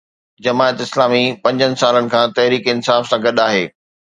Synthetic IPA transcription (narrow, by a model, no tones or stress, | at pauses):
d͡ʑɐmaːət̪ɪslaːmipɐ̃ɲd͡ʑənɪ̆saːlənɪ̆kʰãːt̪ɐɦɾiːkiɪnsaːfsãɡɐɗaːɦeː